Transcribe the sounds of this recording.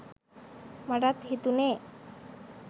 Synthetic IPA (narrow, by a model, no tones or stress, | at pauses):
maɖat̪ɦit̪une